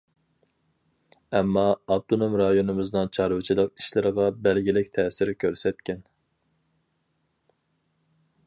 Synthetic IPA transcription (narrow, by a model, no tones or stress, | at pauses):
ɛmːɑːb̚t̪ʰonomɾɑjonɨmɨznɨŋt͡ʃʰɑɾwɨt͡ʃʰilˠəq̚i̥ʃlɪɾəʁɑbɛlɡʲilɪkʲt̪ʰɛːsɪɾkʲʰøɾsɛt̪̚kʲʰɛn